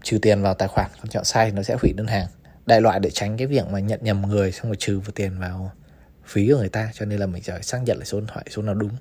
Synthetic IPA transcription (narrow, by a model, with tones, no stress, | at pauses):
t͡ɕɨ˨˩t̪i˨˩ənvaː˨˩wt̪aː˧˨˩jxwaː˨˩ŋkɔ˧˩nt͡ɕɔ̰˧˨nsaː˧jt̪ʰi˨˩nɔ˨˦sɛ̰˧˥hwḭ˧˩ɗəː˧nɦaː˨˩ŋ | ɗa̰˧˨jlwa̰ː˧˨jɗe˧˩t͡ɕa˨˦jŋ̟kaː˨˦jvi˨˩ək̚maː˨˩ɲə̰˧˨nɲə˨˩mŋɨ˨˩əjsa˧wŋ͡mmo˨˩t͡ɕɨ˨˩vɨ˨˩t̪i˨˩ənvaː˨˩w | fi˨˦˧ŋɨ˨˩əjt̪aː˧t͡ɕɔ˧ne˧nlaː˨˩mï˨˩ŋ̟səː˧˩˨jsaː˧˥k̚ɲə̰˧˨nʔlaː˨˩so˨˦t̪ʰwaː˧˨jso˨˦naː˨˩wɗʊ˨˦ŋ͡m